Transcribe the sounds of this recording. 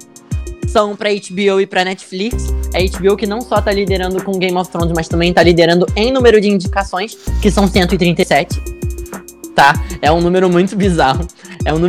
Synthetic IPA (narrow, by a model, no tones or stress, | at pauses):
sɐ̃w̃pɾɐejt͡ʃbiowɪpɾɐnɛt͡ʃfliksɐejt͡ʃbiowkɪnɐ̃w̃sɔt̪alid̪eɾɐ̃nd̪ʊkõɡẽj̃mɔffɾõnzmɐst̪ɐ̃mbẽj̃t̪alid̪eɾɐ̃nd̪ʊẽj̃nũmeɾʊd͡ʒɪĩɲd͡ʒikasõj̃skɪsɐ̃w̃sẽnt̪ʊɪt̪ɾĩnt̪ejsɛt͡ʃɪ̥ | t̪aɛũnũmeɾʊmũj̃t̪ʊbizahʊ | ɛũnũ